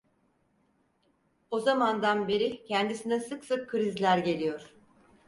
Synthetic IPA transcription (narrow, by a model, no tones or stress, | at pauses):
o̞zamand̪anbe̞ɾicʰɛnd̪isinɛsɯksɯkʰːɯɾizlʲæɾɟe̞lʲijo̞ɾ̥